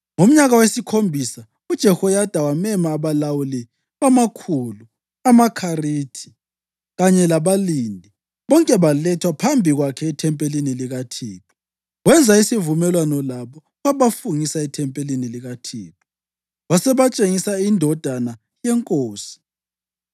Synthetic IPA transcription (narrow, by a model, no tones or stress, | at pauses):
ŋom̩ɲaɣawesikʰombʱisa | ud̥ʒ̥ʱɛhɔjad̥ʱawamɛmaːβalawuli | βamakʰulu | amakʰariːtʰi̥ | ɣaɲɛlaβalindʱi | βɔŋkʼɛβalɛtʰwapʰambʱiɣwakʰɛitʰɛmpʼeliniliɣatʰiːtʰu̥ | ɣwɛnd͡zʱaisivumɛlwanɔlaβɔ | ɣaβafuŋisaitʰɛmpʼeliniliɣatʰiːtʰu̥ | βasɛβat͡ʃʼeŋisaindʱɔd̥ʱana | jɛŋkʼoːsi̥